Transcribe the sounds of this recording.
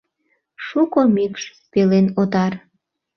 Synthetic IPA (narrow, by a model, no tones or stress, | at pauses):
ʃukomikʃ | pelenot̪ɑr